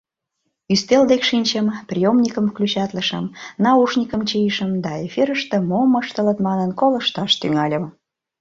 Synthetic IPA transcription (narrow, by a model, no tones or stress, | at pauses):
yst̪eld̪ekʃinʲt͡ɕəmprʲijomnʲikəmklʲut͡ɕɑt̪ləʃə̰mnɑuʃnʲikəmt͡ɕijiʃəmd̪ɑefiɾəʃt̪ĕmoməʃt̪ə̆lət̪mɑnənkoləʃt̪ɑʃt̪yŋɑlʲəm